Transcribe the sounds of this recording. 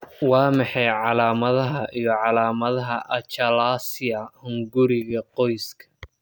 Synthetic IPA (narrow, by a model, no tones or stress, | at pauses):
wɑːmɑħɑjʕɑlaːmɐðɐɦɐʔijɞʕɑlaːmɐðɐɦɐʔɐt͡ʃɐlaːsɪɐhʊŋɡʊɾɪɣɐqɔjskʰɐ̥